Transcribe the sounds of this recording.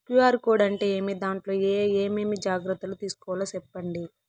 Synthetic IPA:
kjuaːɾkoːɖɐɳʈeːeːmid̪aːɳʈlo̞ːeːmeːmid͡ʒaːɡɾɐt̪ːɐlut̪iːsu̥kɔːʋlɐsɛpːɐɳɖi

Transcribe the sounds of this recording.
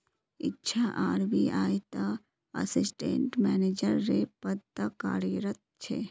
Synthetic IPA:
ɪ̰tːʃʰaʔaːɾbiaːjt̪a | ɐ̰sɪsʈḛ̃ɳʈmɛːneːd͡ʒəɾːepəd̪̚t̪əka̰ːɾiɾət̪̚t͡ʃʰe

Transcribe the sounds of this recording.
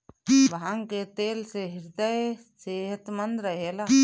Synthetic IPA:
ʋɦãŋket̪eːlseɦɪɾd̪əj | seːɦət̪mə̃nd̪ɾəɦelaː

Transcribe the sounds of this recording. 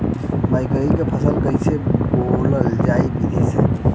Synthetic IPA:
bajkɾeikepʰəsəlkəiseboləld͡ʒaibid̪ʱisḛ

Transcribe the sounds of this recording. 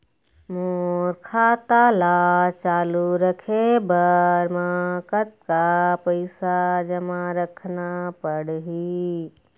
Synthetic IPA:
moɾkʰat̪alat͡ʃaːluɾəkʰebəɾmakət̪̚kapəɪsad͡ʒəmaɾəkʰnapəɽɦi

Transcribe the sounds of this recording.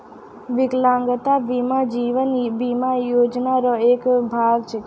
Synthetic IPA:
ʋɪklãŋɡət̪abimad͡ʒiʋənbimajod͡ʒnaɾoekbʱaɡt͡ʃʰe

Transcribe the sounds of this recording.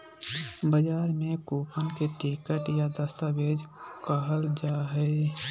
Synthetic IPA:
bəd͡ʒaːɾmẽkuːpʰənkeʈikəʈjad̪əst̪əbeːd͡ʒkəɦəld͡ʒaːɦɛi

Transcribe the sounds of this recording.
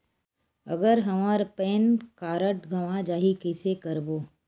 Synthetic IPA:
ə̰ɡəɾɦɐmaːɾpeːnkaːɾəʈɡʱəʋãd͡ʒaːɦikɪsekəɾboː

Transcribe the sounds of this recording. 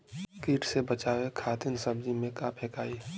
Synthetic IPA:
kiːʈsebət͡ʃaːwekʰaːt̪ɪnsəbd͡ʒimẽkapʰekaːi

